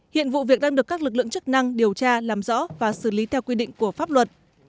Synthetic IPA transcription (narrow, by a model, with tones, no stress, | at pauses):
hḭ˧˨ənvṵ˧˨vi˨˩ək̚ɗaː˧ŋɗɨ˨˩əkːaː˦˥k̚lɨ˨˩k̬̚lɨ̰˧˨əŋt͡ɕɨ˦˥k̚na˧ŋɗi˨˩əwt͡ɕaː˧laː˨˩mzɔ̰˧˥vaː˨˩sɨ˧˩li˨˦t̪ʰɛ˧wkwi˧ɗḭ˧˨ŋ̟ku˧˩əfaː˦˥p̚lwə˨˩t̚